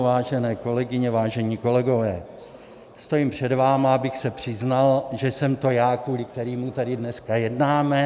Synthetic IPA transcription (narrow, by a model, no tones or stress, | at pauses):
vaːʒɛnɛːko̞lɛɡɪɲɛvaːʒɛɲiːko̞lɛɡo̞vɛː | st̪o̞jɪmpr̝̥ɛdvaːmaabɪxsɛpr̝̥ɪznalʒɛsɛmt̪o̞jaːkvuːlɪkt̪ɛɾiːmut̪adɪdnɛskajɛdnaːmɛ